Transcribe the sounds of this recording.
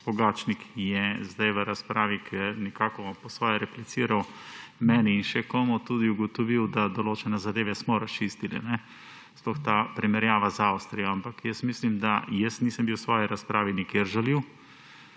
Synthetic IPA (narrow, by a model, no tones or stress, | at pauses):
b̥ɔɡaːt͡ʃnikʰjɛzd̪ajʋəɾaspɾaːʋikʰɛnɛkaːkɔpɔsʋɔːjɛɾɛplit̪siːɾawmɛniːnʃɛkoːmɔt̪ud̪iuɡɔt̪ɔʋiwd̪ad̪ɔloːt͡ʃɛnɛzad̪eːʋɛsmɔɾast͡ʃist̪ilḭnɛ | splɔxt̪apɾimɛɾjaːʋazawst̪ɾijɔampakjəsmislimd̪ajəsniːsəmbiwsʋɔːjiɾaspɾaːʋinikeɾʒaliw